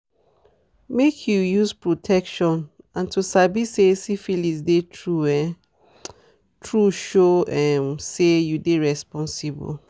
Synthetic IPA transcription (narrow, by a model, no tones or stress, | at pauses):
mekʰjujuspɹotʰɛkʃɔ̃n | ãntʰusabisesifilisdetʰɹuɛ | tʰɹuʃoɛmsejudeɹɛspɔ̃nsibṵl